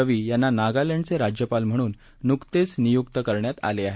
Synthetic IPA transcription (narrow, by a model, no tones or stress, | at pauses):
əʋiːjanːanaɡaleɳɖt͡seɾad͡ʑjəpalm̤əɽ̃uːnː | ukt̪et͡snijukt̪əkəɾɳjat̪a̰leaɦe